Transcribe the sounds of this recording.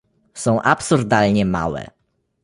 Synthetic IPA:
sɔ̃w̃ʔapsuɾd̪alɲɛma̰wɛ̰

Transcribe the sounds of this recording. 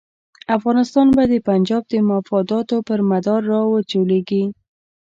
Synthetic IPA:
afɣɑnɪst̪ɑnbad̪əpand͡ʒɑb̚d̪əmafɑd̪ɑt̪opəɾmad̪ɑɾːɑwət͡ʃoleɡi

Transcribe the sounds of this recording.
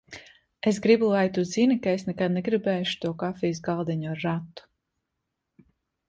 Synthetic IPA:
es̬ɡɾibulˠajt̪uzinikaesnɛkad̪̚nɛɡɾibɛːʃu̥t̪uɔkafiːs̬ɡalˠd̪ɛɲuaɾːat̪ːu̥

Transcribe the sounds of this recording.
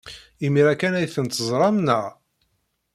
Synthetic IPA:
imiɾækænæjθənt̪əzˤɾˤɑmnəʁ

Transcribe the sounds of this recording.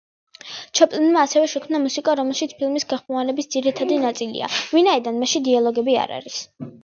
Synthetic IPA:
t͡ʃʰɔpʼlinmaːsɛvɛʃɛkʰmnamusikʼaɾɔmɛlˠʃit̪sʰpʰilˠmisɡaχmɔvanɛbisd̪ziɾit̪ʰad̪inat̪sʼilḭa̰vinaid̪anmaʃid̪ialˠɔɡɛbia̰ɾa̰ɾis

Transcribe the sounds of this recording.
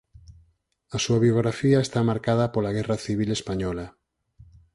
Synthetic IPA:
asuaβjoɣɾafiaest̪amaɾkað̞apolaɣ̞ɛraθiβ̞ilespaɲɔla

